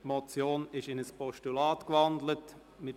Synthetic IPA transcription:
mɔt͡sjoːnɪʃɪnəspʰɔʃtulaːtkvɑndlət | mɪt

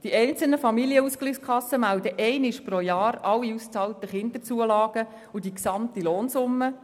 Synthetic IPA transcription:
d̥iʔɛɪnt͡səl̩nəfɑmiliəusklyskʰɑsəmæʊd̪əʔɛɪnɪʃpɾojɑːɾɑlːiust͡sɑːlt̪əχɪnd̪əɾt͡suəlɑːɡ̥ə | ud̥iksɑmt̪iloːnsʊmːə

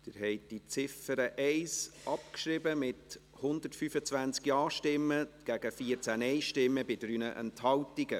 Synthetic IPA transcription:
d̥ɪɾɦɛɪtd̥it͡sɪfəɾəʔɛɪsʔɑpkʃɾɪbəmɪt | hʊndəɾtfyːfət͡svænt͡skjɑːʃtɪmːəɡ̥æɡəfiəɾt͡sænɛɪʃtɪmːəbɪdɾyːnəʔɛ̰nthɑltiɡə

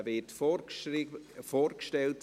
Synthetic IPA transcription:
vɪtfo | foːɾkʃtɛlt

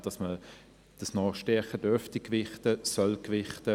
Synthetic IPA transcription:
d̥ɑsmə | d̥əsnɔːʃtɛɐχəd̥øftikvɪχtəsœlkʋɪχtə

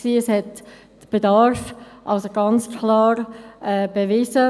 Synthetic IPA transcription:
ksiːəshɛt | b̥edɑɾfʔɑlsoɡɑnt͡skʰlɑːɾʔɛːb̥evɪzə

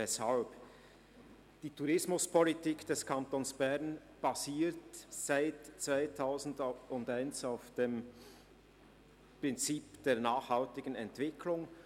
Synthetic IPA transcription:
ɛshalp | d̥iːtʰuɾɪsmʊspʰɔlitiːkd̥ɛskʰantonsb̥ɛʁn | b̥aziːtsaɪtt͡sv̥aɪtʰaʊzn̩dʊndaɪnsaʊfd̥eːm | pʁ̥ɪnt͡siːpd̥eːɐnaːxhaltɪɡ̥ənɛntv̥ɪkʰlʊŋ

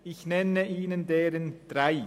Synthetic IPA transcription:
ɪçnɛnəʔiːnəndeːɾənd̥raɪ

